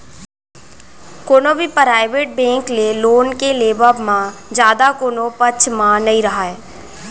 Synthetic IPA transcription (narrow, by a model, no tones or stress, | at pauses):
koːnobʱipɾaːɪʋeːʈ̚bẽːŋkleloːnkeleːbəbmãd͡ʒjaːd̪akoːnõpət͡ʃʰmãnɐɦĩɾɐɦaːeː